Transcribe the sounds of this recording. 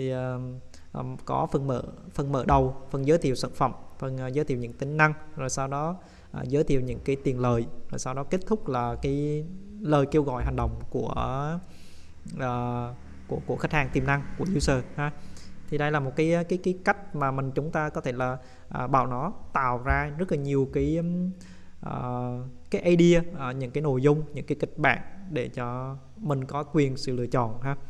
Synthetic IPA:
t̪ʰi˨˩ʔə˨˩ | ʔkɔ˨˦fə˨˩nmə̰ː˧˩fə˨˩nmə̰ː˧˩ɗə˨˩wfə˨˩nzəː˨˦jt̪ʰḭ˧˨əwsa̰ː˧˩nfə̰˧˩mŋ͡mfə˨˩nː˨˩zəː˨˦t̪ʰḭ˨wɲɨ̰˧˥ŋt̪ï˨˦ŋ̟na˧ŋzo˨˩jsaː˧wɗɔ˨˦ | ʔaː˨˩zəː˨˦jt̪ʰḭ˧˨wɲɨ̰˧˥ŋkaː˨˦jt̪i˨˩ənləː˨˩jzo˨˩jsaː˧wɗɔ˨˦ke˦˥t̚t̪ʰʊ˦˥k͡p̚laː˨˩kaː˨˦jləː˨˩jke˧wɣɔ̰˧˨jɦa˨˩ŋ̟ɗə̰˨wŋ͡mku˧˩ə | ʔəː˨˩ | ku˧˩əku˧˩əxa˦˥k̟̚haː˨˩ŋt̪i˨˩mna˧ŋku˧˩əzu˨˧˦səː˨˩haː˧˦t̪ʰi˨˩ɗə˧jlaː˨˩mo˨˩t̚kaː˨˦jkaː˨˦jkaː˨˦jka˦˥jk̟̚maː˨˩mï˨˩ŋ̟t͡ɕʊ˨˦ŋ͡mt̪aː˧kɔ˨˦t̪ʰe˧˩laː˨˩ | ʔəː˨˩ɓa̰ː˧˩wnɔ˨˦t̪a̰ː˧˨wzaː˧zə˦˥t̚laː˨˩ɲi˨˩əwkaː˨˦j | ʔəː˨˩kaː˨˦jʔaː˧jɗi˧əʔɲɨ̰˧˥ŋkaː˨˦jno˧˩˨jzʊ˧ŋ͡mɲɨ̰˧˥ŋkaː˨˦jkï˦˥k̟̚ɓa̰ː˧˨ŋɗe˧˩t͡ɕɔ˧ | mï˨˩ŋ̟kɔ˨˦kwi˨˩ənsɨ̰˧˨lɨ̰˧ət͡ɕɔ̰˧˨nɦaː˧

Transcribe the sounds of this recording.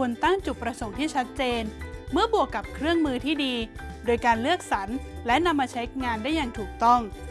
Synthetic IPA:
u˧ənt̪a˥˩ŋt͡ɕu˨˩pːɾa˧so˨˩˦ŋt̪ʰiː˥˩t͡ɕʰa˦˥t̪̚t͡ɕeː˧nmɯ˥˩ɐbu˨˩əkːa˨˩p̚kʰɾɯ˥˩əŋmɯː˧t̪ʰiː˥˩diː˧doː˧jkaː˧nlɯ˥˩ək̚sa˩˦nlɛ˦˥na˧mːaː˧t͡ɕʰa˦˥jŋaː˧ndaː˥˩jːa˨˩ŋt̪ʰuː˨˩k̚t̪ɔ˥˩ŋ

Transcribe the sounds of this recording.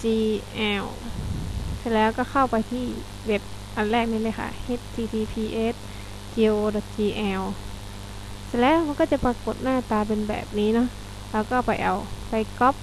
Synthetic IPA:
t͡ɕiː˧ʔɛː˧w | si˧˥lɛː˦˧˥wkɔː˥˩kʰa˧˥˩wpa˨jt̪ʰiː˧˩ | we˧˥p̚ | ʔa˨nlɛː˥˩k̚niː˧˥˩lɤ˧˨kʰa̰˧˩he˧˥t̪̚ːʰiː˧t̪ʰiː˧pʰiː˧ʔe˦˧˥t̪̚ | t͡ɕiː˧ʔoː˧dɔː˨˧˩t̪̚t͡ɕiː˧ʔɛː˧w | si˧˥lɛː˧˥wkɔː˧˥˩t͡ɕa˧˦pa˧kːo˨˩t̪̚naː˥˩t̪aː˧pe˧nbɛ̰ː˨˩p̚niː˦˥nɔ˧˥˨ | lɛː˧˥˩wkɔː˧˩pa˨jʔa̰˨˩wka˧˩jkɔ˦˥p̚

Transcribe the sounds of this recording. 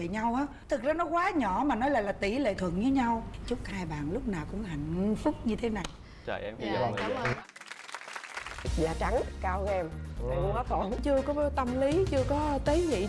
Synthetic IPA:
ḛ˧˨ɲa˧wʔaː˨˦t̪ʰɨ˨˩k̚zaː˧nɔ˨˦kwaː˨˦ɲɔ˧˩˨maː˨˩nɔ˨˦jlaː˨˩laː˨˩t̪i˧˩lḛ˧˨t̪ʰwɨ˨˩əŋɲɨ˨˦ɲa˧wt͡ɕʊ˦˥k͡p̚haː˧jɓa̰ː˨nlʊ˦˥k͡p̚naː˨˩wkʊ̰˧˥ŋ͡mɦa̰˧˨jŋ̟fʊ˦˥k͡p̚ɲɨ˧t̪ʰe˨˦na˨˩j | t͡ɕə̰ː˧˩jʔɛ˧mi˨˧˩a˨˦˧ | zaː˨˩t͡ɕa˨˦ŋkaː˧wɣɛ˧mː˨˩kʊ̰˧kɔ˨˦k̪o˨˧˩kʊ̰˧˨˦ŋ͡mt͡ɕɨ˧əkɔ˨˦t̪ə˧mli˨˦t͡ɕɨ˧əkɔ˨˦t̪ə˨˦ŋḭ˧˨

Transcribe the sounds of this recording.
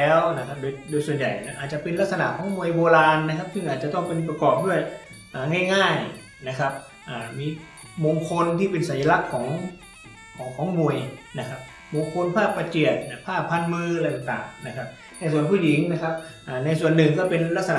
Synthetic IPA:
ɛː˦˥wna˦˥kʰa˦˥p̚doː˧jdoː˧jsu˨˩ənja˨˩jna˧˥ʔaː˨˩t̪̚t͡ɕa˨˩pe˧nla˦˥sa˧na̰˨˩ʔkʰɔː˩˦ŋmu˧əjboː˧laː˧nːa˦˥kʰa˦˥p̚sɯ˥˩ŋʔaː˨˩t̪̚t͡ɕa˨˩t̪ɔ˥˩ŋpe˧npɾa˧kɔː˨˩p̚du˥˩əj | ʔaː˨˩ŋa˥˩jŋaː˥˩j | na˦˥˩kʰa˦˥p̚ | ʔaː˨˩miː˧ | moː˧ŋkʰo˧nt̪ʰiː˥˩pe˧nsa˨˦nja˧la˦˥kʰːɔː˩˦ŋ | kʰɔː˨˩˦ŋkʰɔː˩˦ŋmu˨˧˩əjna˦˥kʰa˦˥p̚ | moː˧ŋkʰo˧npʰaː˥˩pːa˧t͡ɕi˨˩ə˩t̪̚na˧˩pʰaː˥˩pʰːa˧˥˨nmɯː˧lɛ˧jt̪a˨˩ŋt̪a̰ː˨˩ŋna˦˥kʰa˦˥p̚ | na˧˥jsu˨˩ənpʰuː˥˩ji˨˩˦ŋna˦˥kʰa˦˥p̚ʔaː˨˩na˧jsu˨˩ənːɯ˨˩ŋkɔː˥˩pe˧nla˦˥t̪̚sa˧na

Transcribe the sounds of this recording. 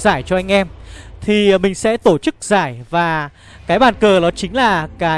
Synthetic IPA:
zaː˧˩jt͡ɕɔ˧ʔa˧jŋ̟ʔɛ˧mt̪ʰi˨˩mï˨˩ŋ̟sɛ̰˧˥t̪o˧˩t͡ɕɨ˦˥k̚z̥aː˧˩jvaː˨˩ | kaː˨˦jɓaː˨˩nkəː˨˩ɗɔ˨˦t͡ɕï˨˦ŋ̟laː˨˩kaː˨˦

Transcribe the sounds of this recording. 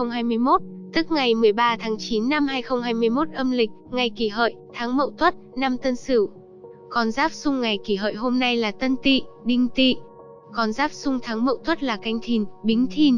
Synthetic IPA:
ə˧wŋ͡mɦaː˧jmɨ˧əjmo˦˥t̚t̪ɨ˦˥k̚ŋa˨˩jmɨ˨˩əjɓaː˧t̪ʰaː˨˦ŋt͡ɕi˨˦nːa˧mhaː˧jxə˧wŋ͡mɦaː˧jmɨ˧əjmo˦˥t̚ʔə˧mlï˨˩k̟̚ŋa˨˩jki˧˩ɦə̰ː˧˨jt̪ʰaː˨˦ŋmə̰˧˨wt̪ʰwə˦˥t̚na˧mt̪ə˧nsɨ˧˩w | kɔ˨˩nzaː˦˥p̚sʊ˧ŋ͡mŋa˨˩jki˧˩ɦə̰ː˧˨jɦo˧mna˧jlaː˨˩t̪ə˧nt̪ḭ˧˨ɗï˧ŋ̟t̪ḭ˧˨ | kɔ˨˩nzaː˦˥p̚sʊ˧ŋ͡mt̪ʰaː˨˦ŋmə̰˧˨wt̪ʰwə˦˥t̚laː˨˩ka˧jŋ̟t̪ʰi˨˩nɓï˨˦ŋ̟t̪ʰi˧˩n

